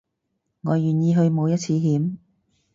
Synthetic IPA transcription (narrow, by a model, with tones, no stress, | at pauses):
ŋɔː˨˧jyː˨njiː˧ɦɵ˧ɥmo˨˧wjɐ˥t̚t͡sʰiː˧ɦiː˨˥m